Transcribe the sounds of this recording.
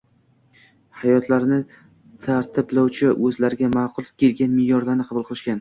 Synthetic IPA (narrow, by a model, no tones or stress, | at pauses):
hajɒt̪ʰlaɾnɪ | t̪ʰaɾt̪ʰɪblawt͡ʃʰɪʔɵzlaɾɪɡʲamaqʰʊlˠkʲe̞lɡʲanmɪjɒɾlaɾnɪqʰɑbʊlˠqʰɨlˠɪʃkʲan